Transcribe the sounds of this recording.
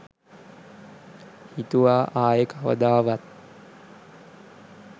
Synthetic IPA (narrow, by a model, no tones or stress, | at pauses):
hit̪uʋaːʔaːjəkaʋə̰d̪aːʋat̪̚